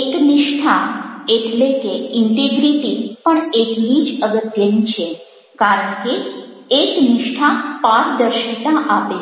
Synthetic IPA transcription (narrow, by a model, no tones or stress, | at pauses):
ekniʂʈʰaetʰlekeiɳʈeɡɾiʈipəɳekʋiːd͡ʒəɡət̪jənt͡ɕʰe | kaɾəɳkiekniʂʈʰapaɾd̪əɾʃit̪aʔape